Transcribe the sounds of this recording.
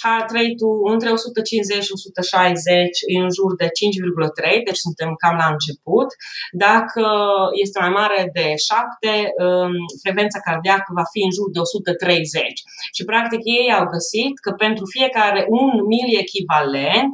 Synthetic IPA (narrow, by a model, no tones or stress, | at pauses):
at̪ɾəit̪uɨnt̪ɾe̞o̞sut̪ət͡ʃinze̞t͡ʃo̞sut̪əʃajze̞t͡ʃʲɨnnʒurd̪e̞t͡ʃint͡ʃʲvirɡulət̪ɾe̞jd̪e̞t͡ʃsunt̪e̞mkamlaɨnt͡ʃe̞put̪d̪akʰəje̞s̬t̪e̞majmaɾe̞d̪e̞ʃapt̪e̞əfɾekve̞nt̪sakard̪ijakəvafiɨnʒurd̪e̞o̞sut̪ət̪ɾe̞jze̞t͡ʃʲ | ʃipɾak̚t̪ikje̞jawɡəsit̪kəpe̞nt̪ɾufie̞kaɾe̞ʔunmilie̞kʲivale̞nt̪